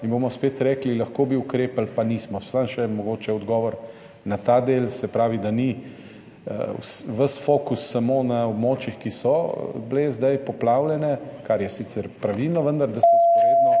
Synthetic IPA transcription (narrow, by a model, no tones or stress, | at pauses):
inbomɔspeːt̪ɾɛːklilɐxkoːbiʊkɾeːpalpanismɔsamʃɛmɔɡoːt͡ʃɛɔd̪ɡɔːʋɔɾ | nat̪ad̪eːlsɛpɾaːʋid̪ani | w̰sʋəsfokusːamonaɔbmoːt͡ʃixkisɔblezd̪ajpɔplaːwlɛnɛkaɾjɛsit̪sɛɾpɾaʋilnɔʋənd̪aɾd̪asɛt̪eɔ